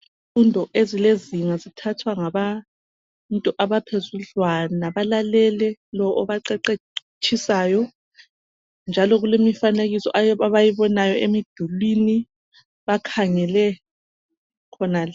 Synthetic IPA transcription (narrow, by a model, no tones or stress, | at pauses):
funtʼɔʔezileziŋazitʰatʰwaŋaβa | ntʼɔʔaβapʰezuɮwanaβalalɛlɛlɔʔɔβaǃɛǃe | t͡ʃʰisaːjɔ | nd͡ʒʱalɔɣulemifaneɣisɔ̰ʔaβajiβɔnajɔʔemid̥ʱulwini | βakʰaŋɛlɛ | kʰɔnal